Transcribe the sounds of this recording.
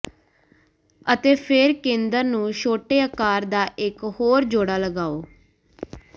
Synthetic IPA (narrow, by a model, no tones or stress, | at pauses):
ət̪eːpʰɪɾkẽːnd̪əɾnũːʃoːʈeːəkaːɾd̪aːʔɪkhoːɾd͡ʒoːɽaːləɡaːoː